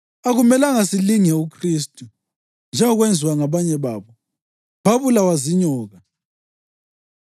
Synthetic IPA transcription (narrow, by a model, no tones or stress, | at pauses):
aɣumɛlaŋasiliŋɛukʰristʼu | nd͡ʒʱɛŋɔɣwend͡zʱiwaŋaβaɲɛβaːβɔ | β̥aβulawaziɲɔːɣa